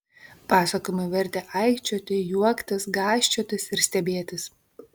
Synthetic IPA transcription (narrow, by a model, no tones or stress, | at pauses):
pɑːsɐkoːjmʊɪʋʲɛɾʲt̪ʲɛːʔɐɪkʲt͡ʃʲoːt̪ʲɪjuɔkt̪ʲɪsɡɑːʃʲt͡ʃʲoːt̪ʲɪsɪɾsʲt̪ʲɛbʲeːt̪ʲɪs